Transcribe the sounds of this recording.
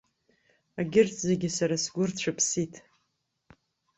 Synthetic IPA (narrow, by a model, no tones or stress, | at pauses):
aɡʲɪrtʰʼzeɡʲɪsaɾasɡʷʊrt͡ɕʷʰapʰsitʰʼ